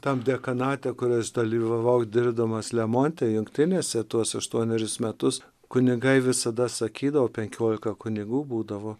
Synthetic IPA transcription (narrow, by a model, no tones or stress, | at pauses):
t̪ɐmd̪ʲɛkɐnɑːt̪ʲɛkʊɾʲɛsd̪ɐlʲiːʋɐʋɐʊd̪ʲɪɾbʲd̪ɐmɐslʲɛmoːnʲt̪ʲɛjʊŋkt̪ʲɪnʲeːsʲɛt̪uɔsɐʃt̪uɔnʲɛɾʲɪsmʲɛt̪ʊs | kʊnʲɪɡɐɪʋʲɪsɐd̪ɐsɐkʲiːd̪ɐʋoːpʲɛŋʲkʲoːlʲɪkɐkʊnʲɪɡuːbuːd̪ɐʋoː